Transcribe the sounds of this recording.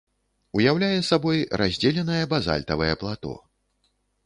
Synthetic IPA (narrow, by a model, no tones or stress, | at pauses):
ujawlʲajɛsabɔjɾazʲd͡zʲɛlʲɛnɐjɛbaza̰lʲt̪ɐvɐjɛplˠat̪ɔ̰